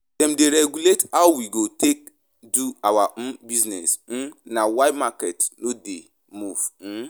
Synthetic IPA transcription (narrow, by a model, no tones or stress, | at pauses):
dɛ̃mdeɾɛɡuletawwiɡotʰek̚ | duawaʔ̩biznɛsn̩nawajmakɛtnode | muv̩